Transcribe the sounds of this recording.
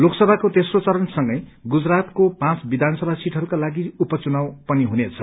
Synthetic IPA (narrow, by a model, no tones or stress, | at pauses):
loksʌbʱakot̪esrot͡sʌɾʌnsʌŋɡʌjɡud͡zrat̪kopãt͡sbid̪ʱansʌbʱasiʈʰʌɾukalaɡiupʌt͡sunawpʌniɦunet͡sʰʌ̥